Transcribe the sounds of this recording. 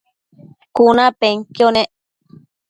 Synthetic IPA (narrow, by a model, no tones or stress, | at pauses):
kunãpeŋkjonẽʔ